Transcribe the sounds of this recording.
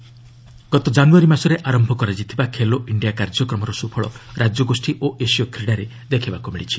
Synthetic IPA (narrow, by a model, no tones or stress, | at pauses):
ɡ̥ɔt̪ɔd͡ʒanuaɾimasɔɾeʔaɾɔmbʱɔkɔɾad͡ʒit̪ʰibakʰeloʔiɳɖijakaɾd͡ʒɔkɾɔmɔɾɔsupʰɔɭɔ̰ɾad͡ʒjɔɡosʈiʔoʔesijɔkɾiɽaɾe | d̪ekʰebakumiɭit͡ʃʰi̥